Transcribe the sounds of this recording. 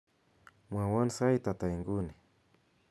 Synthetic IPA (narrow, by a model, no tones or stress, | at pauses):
mwawansajt̪at̪ajŋɡʊnɪ